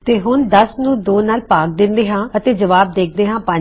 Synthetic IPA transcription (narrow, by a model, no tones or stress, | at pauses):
t̪eːɦʊnd̪əsnũːd̪oːnaːlpaːk̚d̪ɪ̃nd̪eːɦãːət̪eːd͡ʒəʋaːb̚d̪eːk̚ʰd̪eːɦãːpə̃ː